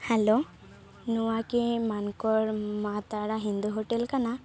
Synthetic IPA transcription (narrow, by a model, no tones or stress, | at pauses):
hɛlo | nuwakimankɔɾmat̪aɽaɦind̪uɦoʈɛlkana